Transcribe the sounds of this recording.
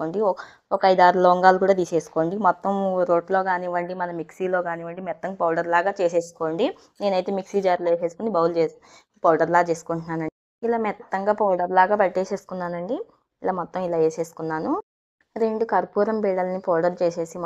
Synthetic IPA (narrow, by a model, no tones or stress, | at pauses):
oːɳɖi | ɔkɐɐjd̪aːɾulɔːŋɡaːlukuːɽaːd̪iːse̞ːsu̥koːɳɖimɔt̪ːɐmɾo̞ːɖlo̞ːɡaːniʋɐɳɖimɐnɐmiksiːlo̞ːɡaːniʋɐɳɖimɛt̪ːɐŋɡaːpɐwɖɐɾlaːɡaːt͡ʃe̞ːse̞ːsu̥koːɳɖi | ne̞ːnɐjt̪e̞ːmiksiːd͡ʒaːɾleːse̞ːsu̥konibɐwld͡ʒeː | pɐːɖɐɾlaːɡt͡ʃe̞ːsu̥koɳʈunaːnɐɳɖi | ilaːmɛt̪t̪ːɐŋɡaːpɐwɖɐɾlaːɡaːpɐɽʈeːse̞ːsu̥kunːaːnɐɳɖi | ilaːmɔt̪ːɐmilaːeːse̞ːsu̥kunːaːnu | ɾe̞ɳɖukɐɾpuːɾɐmbiːɽɐlɐnipoːwɖɐɾt͡ʃe̞ːse̞ːsim